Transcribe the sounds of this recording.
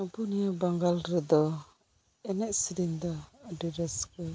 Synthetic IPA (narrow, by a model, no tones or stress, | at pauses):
abunijabaŋɡalɾɛd̪ɔ | ɛnɛʔsiɾind̪ɔadiɾɛskə